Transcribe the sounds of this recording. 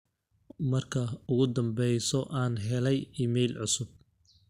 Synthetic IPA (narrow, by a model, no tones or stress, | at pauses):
mɐrkʰɐʊɣʊd̪ɐmbɛjsɔʔaːnɦɛlɛjiːmɛjlʕʊsʊb̚